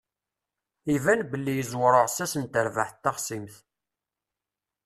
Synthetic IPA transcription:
ivænbəlːijəzwɾˤəʁsæsənt̪əɾvaħt̪ːɑχsimθ

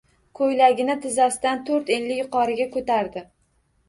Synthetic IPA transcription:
kʰojlaɡʲɪnɪt̪ʰɪzasɪd̪ant̪ʰoɾt̪enlɪjʊqʰɒɾɪɡʲakʰɵt̪ʰaɾd̪ɪ

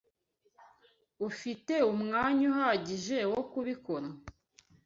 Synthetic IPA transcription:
ufite̞umŋaːɲuhaɟiʒe̞wokuβikoɾa

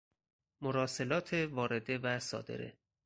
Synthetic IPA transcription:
moɾɒːse̞lɒːt̪ʰevɒːɾe̞d̪e̞væsɒ̰ːd̪ḛɾḛ

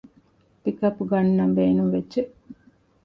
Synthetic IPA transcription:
pikɐpuɡɐnːɐmbeːnuŋʋedd͡ʒe

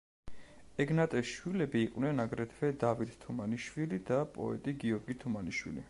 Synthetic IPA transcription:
ɛɡnat̪ʼɛsʃwilɛbiːqʼwnɛnaɡɾɛt̪ʰvɛd̪avit̪t̪ʰumaniʃwilid̪apʼɔ̰ɛ̰t̪ʼiɡiɔɾɡit̪ʰumaniʃwḭlḭ

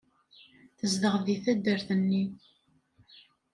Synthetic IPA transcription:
θəzd̪əʁðiθæd̪ːəɾθənːi

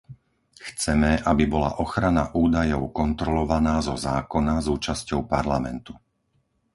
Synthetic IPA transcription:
xt͡sɛmɛʔabibɔla̰ʔɔxɾanaʔuːd̪ajɔʊkɔnt̪ɾɔlɔʋanaːzɔzaːkɔnazuːt͡ʃascɔʊpaɾlamɛ̰nt̪u̥

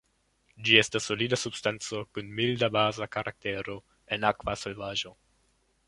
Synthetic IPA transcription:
d͡ʒie̞stasːo̞lidasubstant͡so̞kunmildabazakaɾʔak̚te̞ɾo̞ | e̞nakvase̞lvaʒo̞

